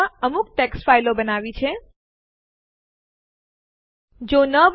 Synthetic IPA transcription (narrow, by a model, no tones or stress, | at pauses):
əmuk̚ʈeksfailobənaʋit͡ʃʰe | d͡ʒonəb